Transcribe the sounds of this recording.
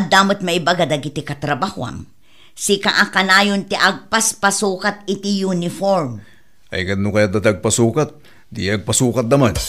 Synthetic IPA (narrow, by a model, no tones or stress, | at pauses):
ɐd̪aːmʊt̪̚mɐʔɪbaɡad̪ɐɡɪt̪ɪkɐt̪ɾɐbahʊa̰ŋ | sɪkaʔakanaːjont̪ɪʔaɡ̚paspasuːkat̪̚ɪt̪ijunɪfoɾm | ɐ̰jkɐt̪̚nʊkɐjat̪at̪ɐɡ̚pɐsuːkat̪̚ | d̪iɐɡ̚pɐsuːkɐt̪̚nɐman